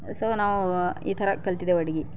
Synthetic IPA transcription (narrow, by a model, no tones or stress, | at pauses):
soːnaːʋuḭːt̪ʰɐɾɐkɐlt̪id̪eʋɐɽiɡi